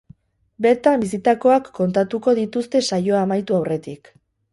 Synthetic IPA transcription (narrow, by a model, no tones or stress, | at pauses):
be̞ɾt̪ambis̬it̪ako̞akːo̞nt̪at̪uko̞ðit̪ust̪e̞sajo̞amajt̪uawre̞t̪ik